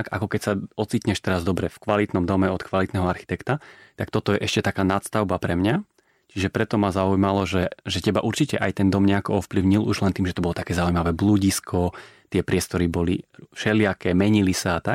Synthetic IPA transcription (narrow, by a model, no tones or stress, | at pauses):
ka̰kɔkɛcsaɔt͡siːt̪ɲɛʃt̪ɛɾazd̪ɔbɾɛfkʋalit̪nɔmd̪ɔmɛɔt̪kʋalit̪nɛɦɔaɾxi̥t̪ɛkt̪at̪akt̪ɔt̪ɔjɛʔɛʃcɛt̪akaːnat̪st̪aʊbapɾɛmɲa | t͡ʃiʒɛpɾɛt̪ɔmazaujmalɔʒɛʒɛcɛbaʔuɾt͡ʃicɛʔajt̪ɛnd̪ɔmɲɛakɔɔfpliʊɲiluʒlɛnt̪iːmʒɛt̪ɔbɔlɔt̪akɛːzaujmaʋɛbluːɟiskʰɔt̪ɪɛpɾɪɛst̪ɔɾibɔlḭʃɛlɪakɛːmɛɲilisaːt̪ak̚